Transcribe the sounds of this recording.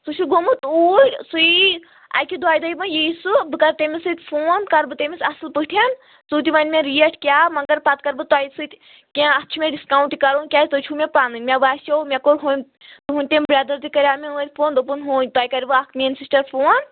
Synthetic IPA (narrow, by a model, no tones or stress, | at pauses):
sut͡ʃʰuɡomɨt̪oːɾʲsui | a̰jkid̪waːjd̪ɐjmɐ̃jiːsubɨkɐɾt̪emʲisɨt̪ʲfoːnkɐɾbɨt̪emʲisɐsɨlpɨʈʰɐn | t͡suːt̪̬iʋɐnʲmʲẽɾijeʈʰkʲaːmɐŋkɐɾpat̪̚kɐɾbɨt̪waːjsɨt̪ʲ | kʲẽɐst͡ʃʰumʲẽɖiskaːw̃ɳʈikɐɾoːnkʲaːjt̪ɨt͡ʃʰumʲepaːnɨnʲmʲeʋaːsowmʲekoɾɦum | t̪ɨɦũnʲt̪embɾed̪ɐɾt̪ikɐɾʲaːmeuːɾʲfoːnd̪opunɦunʲt̪aːjkɐɾʲbɨakʰmʲensisʈɐɾfʰoːn